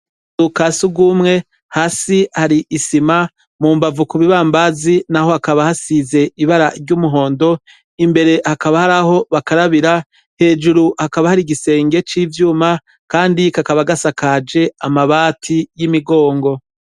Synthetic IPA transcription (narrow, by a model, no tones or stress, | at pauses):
ukasuɡumŋe̞ | haːsihaɾiʔisima | muːmbavukuβiβaːmbazinaho̞hakaβahasize̞iβaɾaɾɟuːmuɦo̞ːndo̞ | imbe̞ɾe̞hakaβahaɾaho̞βakaɾaβiɾa | he̞ːd͡ʒuɾuhakaβahaɾiɡise̞ːŋɡe̞t͡ʃiːvjuːma | kaːndikakaβaɡasakaːd͡ʒe̞amaβaːtʰijimiɡo̞ːŋɡo̞